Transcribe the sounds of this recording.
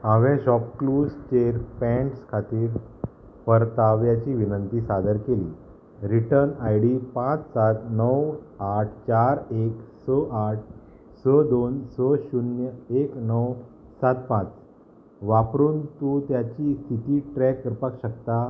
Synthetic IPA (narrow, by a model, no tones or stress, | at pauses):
aʋɛ̃ɕɔpklust͡ɕeɾpɛ̃ɳʈskʰat̪iːɾ | pəɾt̪aʋjat͡ɕiʋinənt̪isad̪əɾkelḭː | ɾiʈəɾnajɽipãt͡ssat̪nəwaʈ̚ʰt͡ɕaɾeksəʔaʈ̚ʰ | səd̪onsəɕunjəeknəw | sat̪pãt͡s | ʋapɾuːnt̪ut̪jat͡ɕikit̪iːʈɾɛkːəɾpakɕəkt̪a